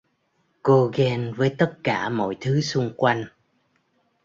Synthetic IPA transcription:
ko˧ɣɛ˧nvəː˨˦jt̪ə˦˥t̚kaː˧˩mɔ̰˧˨jt̪ʰɨ˨˦sʊ˧ŋ͡mkwa˧jŋ̟

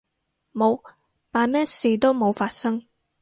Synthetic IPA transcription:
mo˨˧w | t̪aː˨nmɛː˥siː˨t̪o˥wmo˨˧wfaː˧t̚sɐ˥ŋ

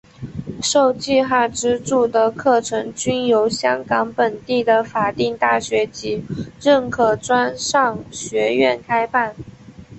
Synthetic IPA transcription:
ʂo˥˧ʊt͡ɕi˥˧xa˥˩ʈ͡ʂɻ̩˥ʈ͡ʂu˥˩d̪ə˩kʰɤ˥˩ʈ͡ʂʰɤ˧˥ŋt͡ɕy˥njo˧˥ʊɕjɑ˥ŋkɑ˧˥ŋpə˨˩nt̪i˥˩d̪ə˩fa˨˩t̪i˥˧ŋt̪a˥˩ɕɥɛ˧˥t͡ɕi˧˥ɻə˥˩nkʰɤ˨˩ʈ͡ʂwa˥nʂɑ˥˩ŋɕɥɛ˧˥ɥɛ˥˩nkʰa˥ɪpa˥˩n

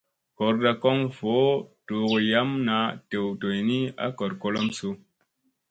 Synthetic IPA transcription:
kɔ˨ɾda˨ko˦ŋfo˨˦to˨ɣo˨ja˦mna˨te˨wto˨jni˦a̰˦ko˨ɾko˦lo˦msu˦

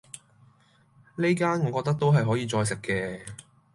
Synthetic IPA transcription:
ne˥jkaː˥nŋɔː˨˧kɔː˧t̪ɐ˥k̚t̪o˥wɦɐ˨jɦɔː˨˥jiː˨˧t͡sɔː˧js̬ɪ˨kːɛː˧

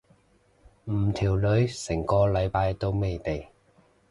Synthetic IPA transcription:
m̩˨˩t̪ʰiː˨˩wlɵ˨˥ɥsɪ˨˩ŋkɔː˧lɐ˨˧jpaː˧jt̪o˥wme˨jt̪e˨j

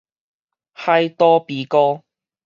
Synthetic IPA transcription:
hɐ˨jt̪ɔː˧piː˨kɔː˧

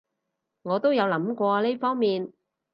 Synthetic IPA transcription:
ŋɔː˨˧t̪o˥wjɐ˨˧wlɐ˨˥mkʷɔː˧le˥jfɔː˥ŋmiː˨n

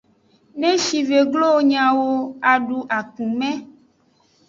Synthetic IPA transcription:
nẽ˦ʃi˨ve˨ɡlo˦ɲã˨wo˦a˨ɖu˨ʔa˨kũ˨mɛ̃˦

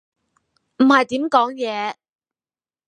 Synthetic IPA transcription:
m̩˨˩hɐ˨jt̪iː˨˥mkɔː˨˥ŋjɛː˨˧

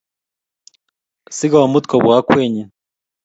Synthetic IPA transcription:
si˦ɡa˨o˨mu˦t̪kʰo˨βwa˦kweː˨ɲe˨

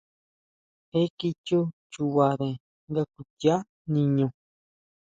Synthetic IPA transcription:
he˦ki˧t͡ʃu˦t͡ʃu˧βa˨ðẽ˨ | ŋɡa˧ku˧tja˦ | nĩ˧ɲũ˧

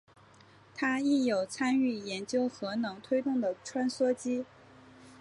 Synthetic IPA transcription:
t̪ʰa˥i˥˩jo˨˩ʊt͡sʰa˥ny˥˩jɛ˧˥nt͡ɕjo˥ʊxɤ˧˥nɤ˧˥ŋt̪ʰwe˥ɪt̪ʊ˥˩ŋd̪ə˩ʈ͡ʂʰwa˥nswɔ˥t͡ɕi˥

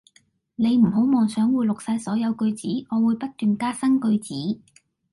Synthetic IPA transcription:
ne˨˧jm̩˨˩ɦo˨˥wmɔː˨ŋsœː˨˥ŋwuː˨˧jlʊ˨k̚saː˧jsɔː˨˥jɐ˨˧wkɵ˧ɥt͡siː˨˥ŋɔː˨˧wuː˨˧jpɐ˥t̚t̪yː˨nkaː˥sɐ˥ŋkɵ˧ɥt͡siː˨˥

